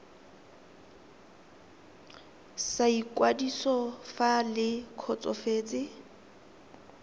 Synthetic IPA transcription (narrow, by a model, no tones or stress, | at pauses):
saikʼwadisɔfalɪkʰɔt͡sʼɔfeːt͡sʼɪ